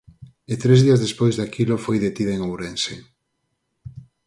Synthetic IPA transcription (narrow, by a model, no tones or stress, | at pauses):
et̪ɾezðiazðespojzðakʰilofojðet̪iðaeŋowɾense